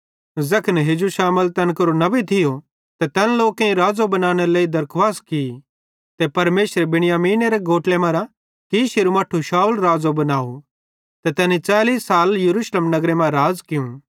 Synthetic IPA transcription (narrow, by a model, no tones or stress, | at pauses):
zɐkʰnɦed͡ʒuʃaːməlt̪ɐnkɐɾonɐbit̪ʰɪjo | t̪ɛt̪ɛːnloːkẽĩɾaːd͡zobɐnaːɽ̃eleːid̪ɐɾkʰʋaːski | t̪ɛpɐɾmeːʃɾebɪɽ̃ɪjaːmiːneɾeɡoːʈlemãɾa | kiʃeɾumaːʈʰːuʃaːulɾaːd͡zobɐnaːo | t̪ɛt̪ɛːnit͡saːliːsːaːljɐɾuːʃleːmnɐɡɾemãɾaːd͡zkɪũ